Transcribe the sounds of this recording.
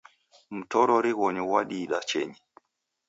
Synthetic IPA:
m̩tɔɾɔɾiɣɔɲɔwaɗiɗat͡ʃɛ̰ɲi

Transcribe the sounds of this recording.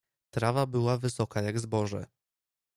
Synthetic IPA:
t̪ɾavabɘwavɘsɔkajaɡzbɔʐɛ̰

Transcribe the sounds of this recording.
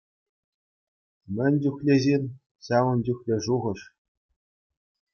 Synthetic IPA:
mʲɘ̆nʲdʲuxʲlʲezʲenʲ | ɕɑʋɤ̆nd͡ʑʲyxʲlʲĕʐuʁɤ̆ʂ

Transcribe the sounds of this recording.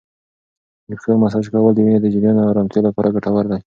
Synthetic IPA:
jəxemas̬aʒkawəld̪əwined̪əd͡ʒɪɾjonawɾamt̪jolapɑɾʔaɡaʈawaɾd̪aj

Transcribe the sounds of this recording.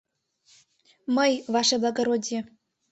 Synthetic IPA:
məjvɑʃeblˠɑɡoɾod̪ʲjĕ

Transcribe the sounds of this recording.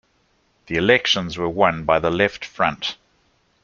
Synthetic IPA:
ðiɪlɛkʃə̃nzwəwʌ̃nbaɪðəlɛftfɹʌ̃nt

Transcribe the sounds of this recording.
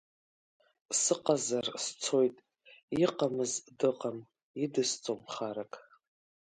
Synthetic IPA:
sɨqʼazarst͡sʰo̞jtʼ | iqʼamɨzdɨqʼam | idɨst͡sʼomχaɾakʰʼ

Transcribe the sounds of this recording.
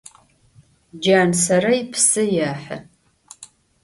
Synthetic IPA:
d͡ʒaːnsɐɾɐjɪpʰsɨjaːħɨ̰

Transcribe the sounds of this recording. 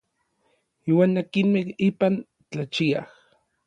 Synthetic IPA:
iːwaːnːakinmehiːpan | t͡ɬat͡ʃiah

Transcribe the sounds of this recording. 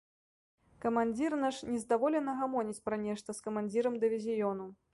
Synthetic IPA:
kɐmanʲd͡zʲirnaʂnʲɛzd̪avɔlʲɛnɐɣamɔnʲit͡sʲpɾɐnʲɛʂt̪ɐskɐmanʲd͡zʲiɾɐmd̪ɨvʲizʲijɔnu

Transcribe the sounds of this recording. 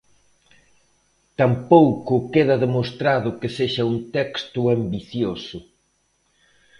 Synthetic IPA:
t̪ampowkʊkeðɐðemost̪ɾaðʊkeseʃɐunt̪ɛkst̪ʊambiθjosʊ

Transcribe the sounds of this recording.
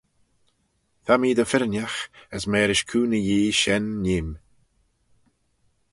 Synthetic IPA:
θamiːd̪əfɪɾnʲjaxəsmɛːɾɪʃkʰuːnəjiːʃɛnːiːm

